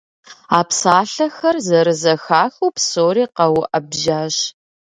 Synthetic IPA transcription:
aːpsaːɬɐxɐrzɐɾɨzɐxaːxuːpsoːɾiːqɐwʔɐbʒaːɕ

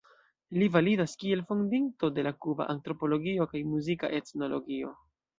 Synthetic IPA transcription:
livalidaskie̞lfondinto̞de̞lakuba̰ʔantɾo̞po̞lo̞ɡio̞kajmuzika̰ʔe̞tno̞lo̞̰ɡio̞̰

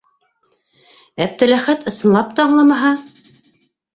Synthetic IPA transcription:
æp̚t̪ɘ̆læχæt̪ɤ̆sɤ̆nlˠɑp̚t̪ɑɑɴlˠɤmɑɦɑ

